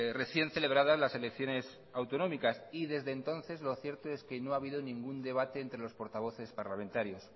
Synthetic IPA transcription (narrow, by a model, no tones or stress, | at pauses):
re̞θje̞nθe̞le̞β̞ɾaðazlase̞le̞kθjo̞ne̞s | awt̪o̞nõ̞mikasiðe̞zðe̞ːnt̪o̞nθe̞zlo̞θje̞ɾt̪o̞e̞ske̞no̞aβ̞iðonĩŋɡund̪e̞β̞at̪e̞ːnt̪ɾe̞lo̞spo̞ɾt̪aβ̞o̞θe̞spaɾlamẽ̞nt̪aɾjo̞s